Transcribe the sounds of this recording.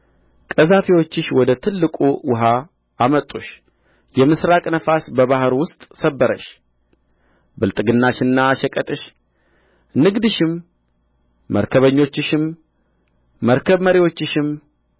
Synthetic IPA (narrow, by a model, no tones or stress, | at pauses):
kʼəzafiwo̞t͡ʃːɪʃwɔd̪ət̪ʰɨlːɨkʼuwʊɦa | amət̪ʼːuʃ | jɛmɨsɾakʼnəfasbəβahɾwʊst̪ʼsəbːəɾə̰ʃ | bɨlt̪ʼɨɡɨnːaʃɨnːaʃəkʼət̪ʼɨʃ | nɨɡd̪ɨʃɪm | əɾkʰəβəɲːo̞t͡ʃːɪʃɪm | əɾkʰəβməɾiwo̞t͡ʃːɪʃɪm